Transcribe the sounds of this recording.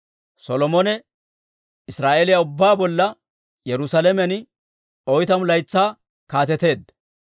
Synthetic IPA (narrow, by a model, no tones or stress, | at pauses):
sɔlɔmɔnɛ | ɪsɾaːʔelɪjɐʊbːaːbɔlːɐ | jɛɾʊsɐlɛmɛn | ɔjt̪ɐmlɐjt͡sːaː | kaːt̪ɛt̪e̞ːd̪ːɐ